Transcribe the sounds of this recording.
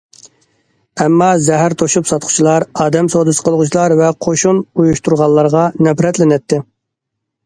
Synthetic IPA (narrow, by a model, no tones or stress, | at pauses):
ɛmːɑzɛɦæɾt̪ʰoʃupsɑt̪qʰʊ̥t͡ʃʰilˠɑɾɑːd̪ɛmsod̪ɨsə̥qʰəlˠʁʊt͡ʃʰilˠɑɾvɛqʰoʃunujuʃt̪uɾʁɑlˠːɑɾʁɑnɛpɾɛt̪lɪnɛt̪ʰːɪ